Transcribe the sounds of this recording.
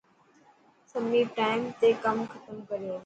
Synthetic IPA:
sɐmipʈaːɪmt̪ekɐmxɐt̪əmkɐɾijoː

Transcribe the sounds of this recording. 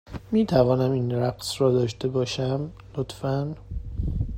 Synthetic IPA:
miːt̪ʰævɒːnæmiːnɾæqsrɒːd̪ɒːʃt̪e̞bɒːʃæm | lot̪fæn

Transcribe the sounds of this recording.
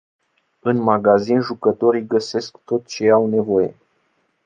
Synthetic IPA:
ɨnmaɡazinʒukət̪o̞ɾijɡəse̞skt̪o̞t̪t͡ʃe̞awne̞vo̞je̞̰

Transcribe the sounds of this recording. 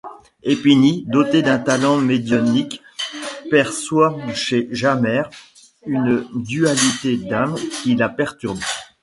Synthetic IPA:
epinid̪ɔt̪ed̪ɛ̃t̪alɑ̃med̪jɔnik | pɛʁswaʃeʒamɛʁ | ynd̪yalit̪ed̪amkʲilapɛʁt̪yʁbe

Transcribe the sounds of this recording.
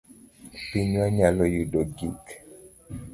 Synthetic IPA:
piɲwaɲalɔjudoɡik

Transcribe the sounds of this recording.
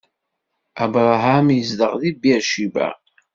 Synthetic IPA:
æbɾˤɦæmjəzd̪əʁðibiɾʃibæ̰

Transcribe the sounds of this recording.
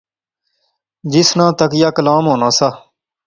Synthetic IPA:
d͡ʒɪsnãːt̪əkjaːkəlaːmɦoːnaːsaː

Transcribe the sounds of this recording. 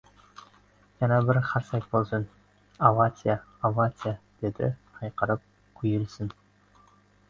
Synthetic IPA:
jɑnɑbɪɾχʰɑɾsɑjt̪̚bolˠsɤn | avat͡s̪ʲɪjaavat͡sʲɪjad̪̥ed̪ɪ̰ɑjqəɾəp̚ | kʲʰʉjɪlsɪn

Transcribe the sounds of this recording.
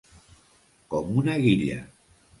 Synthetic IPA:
komunaɣiʎa̰

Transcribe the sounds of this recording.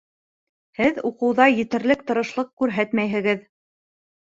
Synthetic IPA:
hɘðuqɤ̆wðɑjɘ̆t̪ɘ̆ɾlɘk̚t̪ɤ̆ɾɤ̆ʃlˠɤq̚kʉɾɦæt̪mæjɦɘ̆ɡɘð

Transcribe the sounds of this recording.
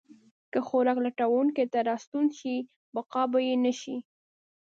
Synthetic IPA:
kəxoɾɑklaʈawonket̪aɾɑst̪unʃi | baqɑbajenaʃi

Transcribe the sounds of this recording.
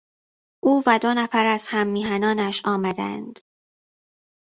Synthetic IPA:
ʔuːvæd̪onæfæɾæz̥hæmːiːɦænɒːnæʃɒːmæd̪æ̰nd̪̥

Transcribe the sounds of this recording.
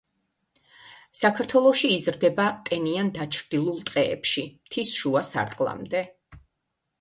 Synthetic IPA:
sakʰaɾt̪ʰwɛlˠɔʃiːzɾd̪ɛbat̪ʼɛniand̪at͡ʃʰɾd̪ilˠulˠt̪ʼqʼɛ̰ːpʃimt̪ʰisʃuasa̰ɾt̪ʼqʼlˠa̰md̪ɛ

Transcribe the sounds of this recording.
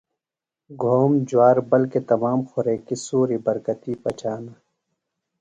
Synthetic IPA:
ɡʱoːmd͡ʒwaːɾbɐlket̪ɐmaːmxʊɾeːkisuːɾibɐɾkɐt̪iːpɐt͡ʃaːna

